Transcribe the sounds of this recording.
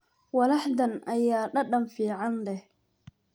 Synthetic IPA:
wɐlaħd̪ɐnʔajːaːɗɐɗɐmfiːʕandɛ

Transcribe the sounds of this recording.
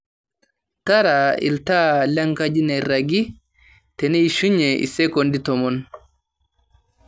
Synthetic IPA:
taɾaḭltalaŋkad͡ʒinaɾaɡi | tɛnɛiʃuɲːɛʔḭsɛkonditɔmɔn

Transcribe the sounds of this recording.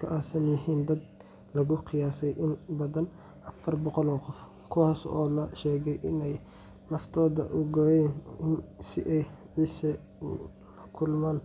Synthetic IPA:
kʰɐʔaːsɐnjɪɦiːnd̪ɐd̪ | lɐɣʊqɪjaːsɛjʔɪnbɐðɐn | ʔɐfɐrbɔqɔlɔːqɔf | kʰʊwɑːsɔ̰ːlɐʃɛːɣɛjʔɪnɛj | nɐft̪ʰɔːðɐ̰ʔʊɡɔːjɛːnɪnsɪ̰ʔɛjʕiːsɐ | lɐkʰʊlmaːn

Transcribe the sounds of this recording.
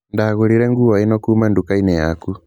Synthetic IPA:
ndaɣuɾiɾɛŋɡuwaenɔkuːmandukainɛjaku

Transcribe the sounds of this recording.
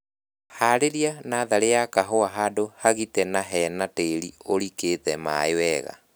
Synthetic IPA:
haɾeɾianaːðaɾejakaɦoaɦadohaɣitɛnaɦɛːnateɾioɾiketɛma̰ewɛɣa̰

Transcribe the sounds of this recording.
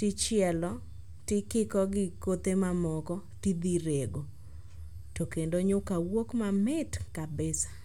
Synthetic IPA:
tɪt͡ʃjɛlɔ | tɪkɪkɔɡɪkot̪emamɔkɔtid̪iɾeɡo | tokendoɲʊkawokmamɪtkabɪsḁ

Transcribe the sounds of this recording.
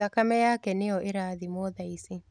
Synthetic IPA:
akamɛjaːkɛnɪjɔʔɪɾaːðimwɔðaisi

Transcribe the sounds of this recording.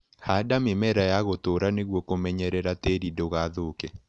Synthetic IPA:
hadamemɛɾajaɣotoɾaneɣwɔkomɛɲɛɾɛɾateɾidoɣaðokɛ

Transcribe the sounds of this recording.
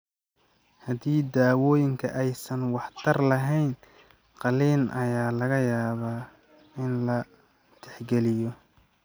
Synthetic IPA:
hɐdiːd̪aːwɔːjɪŋkʰɐʔɛjsɐnwɑħt̪ʰɐrlɐɦɛjn | qɑliːnʔɐ̰jaːlɐɣɐjaːβaː | ɪnlɐ | t̪ʰɛħɡɛlɪjɔ

